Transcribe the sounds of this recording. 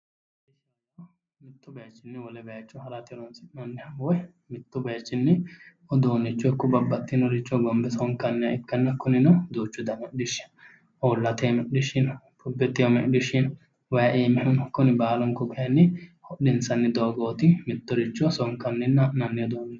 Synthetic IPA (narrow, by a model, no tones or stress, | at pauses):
ɪʃɐ | kːɔ | mɪt̪ːʊbɐjɐt͡ʃːɪnːɪwɔlɛbɐjɐt͡ʃːɔhɐɾɐt̪ɪlɔnsɪnɐnːɪhɐwɔj | mɪt̪ːʊbɐjɐt͡ʃːɪnːɪ | ɔd̪oːnːɪt͡ʃːɔkːɔbɐbːɐt̪ːɪnɔɾɪt͡ʃːɔɡɔmbɛsɔŋkɐnːɪjɐɪkːɐnːɐkʊnɪnɔd̪oːt͡ʃːʊd̪ɐmɛʔdɪʃɪ̥n | ɔːlːɐt̪eːmɛʔɪʃɪnpʊbɛt̪ːɪjmɛ̰ʔɗɪʃɪn | wɐjɐʔeːmɪhʊnkʊnɪbaːlɔŋkɔkɐjɐnːɪhɔɗɪnsɐnːɪd̪oːɡoːt̪ɪmɪt̪ːɔɾɪt͡ʃːɔsɔŋkːɐnːɪnːɐʔnɐnːɪɔd̪oːnɪ